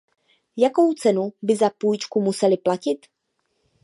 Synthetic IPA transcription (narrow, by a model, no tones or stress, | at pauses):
jako̞wt͡sɛnubɪzapuːjt͡ʃkumusɛlɪplacɪt̪